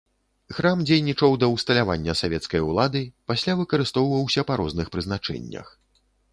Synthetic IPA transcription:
xɾamd͡zʲejnʲit͡ʂɐwd̪ɐwst̪ɐlʲavanʲːɐsavʲɛt̪skɐjulˠad̪ɨpasʲlʲavɨkɐɾɨst̪ɔwvɐwsʲɐpaɾɔznɨxpɾɨznat͡ʂɛ̰nʲːɐ̰x

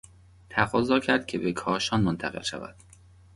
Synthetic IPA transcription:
t̪ʰæɣɒːzɒːcʰæɾd̪̚cʲʰe̞bekʰɒːʃɒːnmont̪ʰæɣelʃæ̰væ̰d̪̥

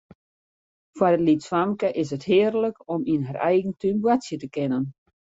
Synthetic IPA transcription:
farətlitswamkəʔɪs̬əthɪːərləkɔminɦarɛ̰jɣəntymbwatsjətəkɪnən

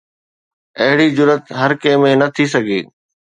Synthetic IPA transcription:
ɐɦɪɽid͡ʑʊɾət̪ɦɐɾkẽːmẽnɐt̪ʰisɐɡʱḛː

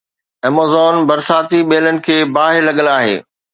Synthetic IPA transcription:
ɐmoːzɔːnbɐɾsaːt̪iɓeːlənɪ̆kʰeːbaːɦɪlɐɠəlaːɦḛː

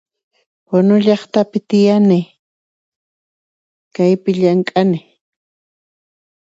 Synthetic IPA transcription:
wanʊʎɑχt̪apɪt̪ɪjanɪ | kajpɪʎaŋkʼanɪ

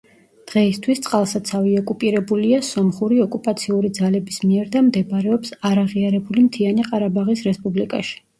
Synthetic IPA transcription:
d̪̥ʁɛist̪ʰwist̪sʼqʼalˠsat̪sʰaviɔkʼupʼiɾɛbuliasɔmχuɾiɔkʼupʼat̪sʰiuɾid̪zalɛbismiɛɾd̪amd̪ɛbɾɛɔpsaɾaʁiaɾɛbulimt̪ʰianiqʼaɾabaʁisɾɛspʼublikʼa̰ʃi̥

